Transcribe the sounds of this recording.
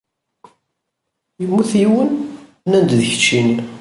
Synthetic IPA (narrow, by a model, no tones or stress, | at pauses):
jəmːuθiwən | nænd̪ðəçə̥t͡ʃːin